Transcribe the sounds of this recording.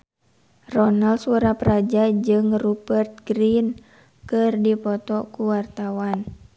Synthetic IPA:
rɔnalsuɾaprad͡ʒad͡ʒɨŋrubərt̪̚ɡɾin | kɨrdipɔt̪ɔkuwart̪awan

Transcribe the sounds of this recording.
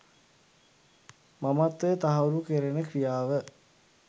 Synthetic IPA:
mamat̪ːet̪aɦɐuɾukeɾenəkrijaːʋə

